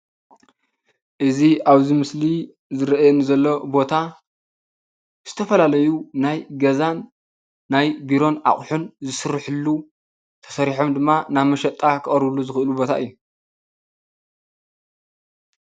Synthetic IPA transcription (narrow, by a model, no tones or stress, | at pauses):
ʔɨziaβzimɨsli | zɨɾɐʔjonɨzɐlːo̞bo̞t̪ʰa | z̥ɨt̪ʰɐfɐlalɐjunajɡɐzanː | ajbiɾo̞na̰χʼħunzɨsɨɾːħɨlːu | t̪ʰɐ̥sɐɾiħo̞md̪ɨmːanaβmɐʃɐt̪ʼːakʰɨχʼɐɾβlːuzɨxɨʔɨlubo̞t̪ʰaʔɨjːu